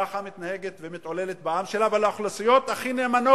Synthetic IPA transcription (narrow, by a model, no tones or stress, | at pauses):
aχamitt̪naheɡet̪vemit̪o̞lelet̪baamʃe̞lavalaaχlasijo̞t̪aχineːmano